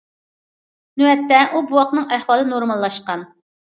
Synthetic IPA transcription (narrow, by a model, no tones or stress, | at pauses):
nuɛt̪ːɛʔubuwɑqnɨŋæhwɑːlˠɨnoɾmɑlˠːɑʃqɑn